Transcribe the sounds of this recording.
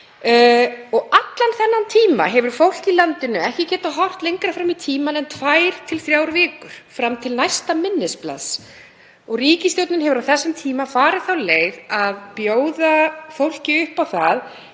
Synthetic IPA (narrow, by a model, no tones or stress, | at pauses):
ɔɣat̪lanθɛnːant̪ʰiːma̰ɦɛvʏɾ̥fowl̥cilant̪ɪnʏɛhcɪcɛːt̪aɦɔr̥t̪lejŋkɾafɾamit̪ʰiːmanɛnt̪ʰvaːjɾ̥t̪ʰɪlθɾjaːwɾvɪːkʏɾ̥fɾamt̪ʰɪlnajst̪amɪnːɪspla̰s | ɔɣriːcɪst̪jowt̪nʏnɦɛvʏɾawθɛsːɪmt̪ʰiːmafaːɾɪθawleːjðaðpjoːwðafowl̥cɪʏhpawθað